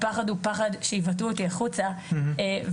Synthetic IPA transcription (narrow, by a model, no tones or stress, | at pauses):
paχad̪upaχad̪ʃeivat̬uotiaχut͡saev